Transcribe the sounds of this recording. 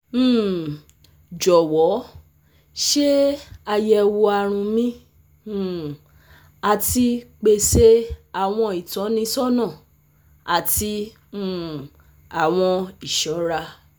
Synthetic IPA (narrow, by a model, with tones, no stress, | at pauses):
m̩̃ː˦˨ | d͡ʒɔ˨wɔ˨˦ | ʃe˦a˧jɛ˧wo˧a˧ɾ̃ũ˧mĩ˦˨ | a˧ti˦k͡pe˧se˦a˨w̃ɔ̃˧i˨tɔ̃˨˦nĩ˧sɔ˦nã˦˨ | a˨ti˧˦ | ũ˦˨ | a˨w̃ɔ̃˧i˨ʃɔ˨˦ɾa˧